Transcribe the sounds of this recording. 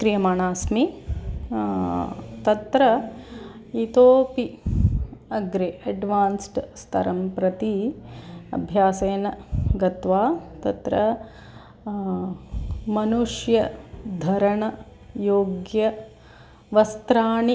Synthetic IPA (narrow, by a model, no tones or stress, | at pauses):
kɾijɐmaːɳaːsmi | t̪ɐt̪ɾɐ | it̪oːpi | ɐɡɾeʔɐɖʋaːnsʈst̪ʰɐ̰ɾɐmpɾɐt̪i | ɐ̰bʱjaːseːnɐɡɐt̪ʋaːt̪ɐt̪ɾɐ | mɐnuʂjɐd̪ʱɐɾɐɳɐ | joːɡjɐ | ʋɐst̪ɾaːɳi